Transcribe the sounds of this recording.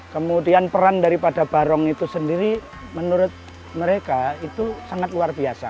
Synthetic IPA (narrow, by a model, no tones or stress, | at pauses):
kəmudianpəɾandaɾipadab̥aɾɔŋit̪usəndiɾi | mənuɾʊt̪̚ | məɾekait̪usaŋat̪̚luarbiasa̰